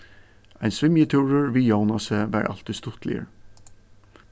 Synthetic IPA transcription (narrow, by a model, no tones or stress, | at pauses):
æɪnsʋɪmjət̪ʰuːɹəɹʋiːjoʊnɑsəʋæ̰ːɹʔɑ̰lt̪ɪst̪ʊt̪lɪ̰ə̰ɹ